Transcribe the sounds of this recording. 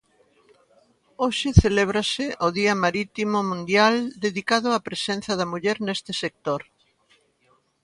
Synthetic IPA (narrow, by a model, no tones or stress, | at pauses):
oʃɪθeleβ̞ɾɐsɪʔoðiɐmaɾit̪imomũnd̪jald̪eðikaðʊapɾesen̟θɐðɐmuʎɛɾnest̪ɪsek̚t̪oɾ